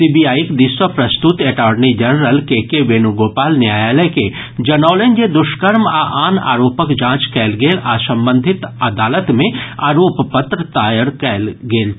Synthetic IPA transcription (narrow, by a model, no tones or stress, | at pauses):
siːbijaːjikd̪iːswəpɾɐst̪ʊt̪eːʈaːɖnid͡ʒɐnɾəlkekeʋeːnuɡoːpaːlnjaːjaːləke | d͡ʒɐnɔːlẽnd͡ʒed̪ʊʃkəɾmaʔaːna̰ːɾoːpəkd͡ʒãːt͡ʃkɛːlɡeːlʔaːsɐ̃mbə̃nd̪ʱɪt̪ɐd̪aːlət̪mẽaːɾoːppət̪ɾət̪aːjəɽkɛːlɡeːl